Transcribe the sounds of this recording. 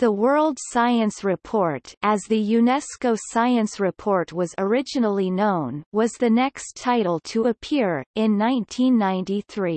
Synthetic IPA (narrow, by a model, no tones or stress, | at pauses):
ðəwɜ˞lˠd̥saɪɨ̃nsɹɪpʰɔɹɾɨzðɨjʉnɛskoʊsaɪɨ̃nsɹɨpʰɔɹt̚wʌzə˞ɪd͡ʒɨnl̩ˠinõʊ̃nwʌzðɨnɛkstʰaɪɾl̩ˠtʰəəpʰɪɹɪ̃nːãɪ̃ntʰĩnːãɪ̃ntiθɹi